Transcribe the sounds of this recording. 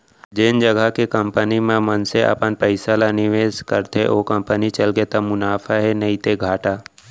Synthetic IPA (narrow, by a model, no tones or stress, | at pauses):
d͡ʒɪnd͡ʒəɡʱəkekəmpənimẽmənseʔə̰pənpəɪsalanɪʋeːskəɾt̪eʔoːkə̃mpənit͡ʃɐlɡet̪amʊnaːfʰaɦɛnɐit̪eɡʱaːʈaː